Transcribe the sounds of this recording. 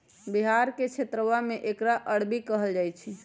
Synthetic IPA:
biɦaɾket͡ʃʰet̪ɾəwameʔekɾaʔəɽbikəɦəld͡ʒajt͡ʃʰi

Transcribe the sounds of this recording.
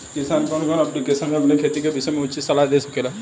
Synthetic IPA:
kɪsaːnkɔnɡɔnɐplikesənmẽɐpnekʰeːt̪ikebɪsemẽʊt͡ʃisɐlad̪esɐkeːla

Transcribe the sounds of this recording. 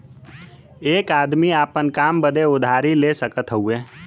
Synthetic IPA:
eːkaːd̪miaːpənkaːmbəd̪eʊd̪ʱaːɾileːsəkət̪ɦəue

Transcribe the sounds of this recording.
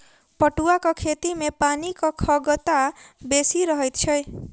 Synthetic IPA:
pɔʈuakɔkʰet̪imepanikɔkʰɔɡɔt̪abesiɾɔɦɔjt̪t͡ʃʰɔj

